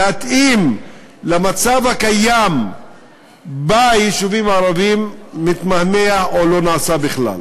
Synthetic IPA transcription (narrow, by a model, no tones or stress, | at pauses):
at̪im | lamat͡savhakajam | bajiʃuvimaɾavimːit̪mahmeaolo̞naːsabiχla̰l